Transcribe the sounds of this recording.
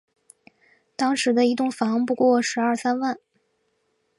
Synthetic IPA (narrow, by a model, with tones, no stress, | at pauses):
t̪ɑ˥ŋʂɻ̩˧˥d̪ə˧i˧˥t̪̬ʊ˥˩ŋfɑ˧˥ŋpu˧˥kwɔ˥˩ʂɻ̩˧˥ɐ˞˥˩sa˥nwa˥˩n